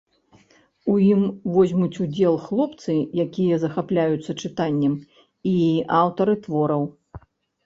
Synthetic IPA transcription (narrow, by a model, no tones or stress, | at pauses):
ujimvɔzʲmut͡sʲud͡zʲɛlˠxlˠɔpt̪sɨjakʲijɐzɐxaplʲajut̪sːɐt͡ʂɨt̪anʲːɛm | iawt̪ɐɾɨt̪vɔɾɐw